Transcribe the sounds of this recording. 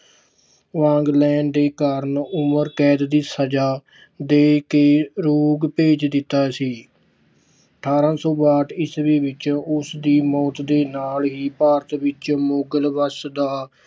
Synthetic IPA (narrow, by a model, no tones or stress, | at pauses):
ʋãːŋɡlɛːɳɖd̪eːkaːɾənʊməɾkɛːd̪d̪iːsəd͡ʒaː | d̪eːkeːɾoːɡpeːd͡ʒd̪ɪt̪ːaːsiː | əʈʰaːɾãːsɔːbaːʈɪsʋiːʋɪt͡ʃʊsd̪iːmɔːt̪d̪eːnaːlɦiːpaːɾət̪ʋɪt͡ʃmoːɡəlʋəsd̪aː